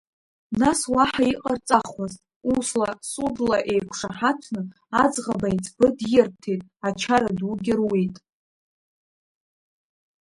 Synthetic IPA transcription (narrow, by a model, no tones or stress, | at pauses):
naswaħaiqʼart͡sʼaχaztʼ | uslasudlaʔe̞jkʷʰʂaħat͡sʷʰnɨ | ad͡zʁabait͡sʰʼbɨdjɪrp̚tʰe̞jtʼat͡ʃʰaɾaduɡʲɪrwejtʼ